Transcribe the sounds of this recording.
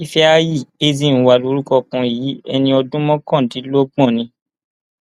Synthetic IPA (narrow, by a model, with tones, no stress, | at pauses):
i˦fɛ˦a˦ji˦˨e˦zi˦˨ñ̩˨˧wa˧˨lo˨˧˦ɾu˦kɔ˧kũ˧i˨i˨˦ɛ˧nĩ˧ɔ˧dũ˦mɔ̃˦kɔ̃˦˨tĩ˨˦lo˦ɡ͡bɔ̃˦˨nĩ˧